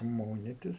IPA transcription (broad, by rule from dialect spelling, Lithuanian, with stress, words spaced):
ˈmoːnʲɪtʲɪs